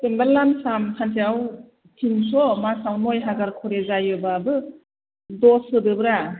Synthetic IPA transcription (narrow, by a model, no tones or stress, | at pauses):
pembaɾlansamkʰantʰiaw | tʰinsɔmasawnɔjɦaɡaɾkʰɔɾezajɯbabɯ | dɔsɯdɯbɯɾa